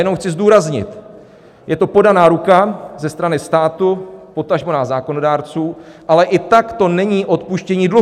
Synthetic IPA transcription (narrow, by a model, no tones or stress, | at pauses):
jɛnowxt͡sɪzduːɾazɲɪ̰t̪ | jɛt̪o̞po̞danaːɾukazɛst̪ɾanɪst̪aːt̪upo̞t̪aʒmonaːzaːko̞no̞daːɾt͡suːʔalɛʔɪt̪akt̪o̞nɛɲiːʔo̞t̪puʃcɛɲiːdlu